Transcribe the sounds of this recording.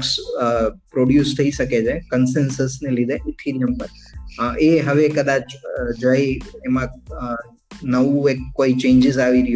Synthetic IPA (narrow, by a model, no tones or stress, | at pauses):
ks | pɾoɽjust̪ʰəiʃəket͡ʃʰekənsensəsnelid̪ʱeʔɪt̪ʰiɾijəmpəɾ | ʔeɦəʋekəd̪at͡ʃd͡ʒəiemã | nəʋũekːoit͡ʃẽɲd͡ʒɪzaʋiɾəɦju